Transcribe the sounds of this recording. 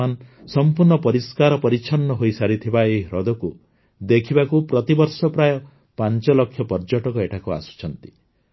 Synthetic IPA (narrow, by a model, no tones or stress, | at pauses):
ansɔmpuɾɳɔpɔɾiskaɾɔpɔɾit͡ʃʰɔnːɔɦoisaɾit̪ʰibaejɾɔd̪ɔku | d̪ekʰibakupɾɔt̪ibɔɾsɔpɾajɔ | pant͡ʃɔlɔkʰjɔpɔɾd͡ʒɔʈɔkɔeʈʰakua̰su̥t͡ʃʰɔnt̪i̥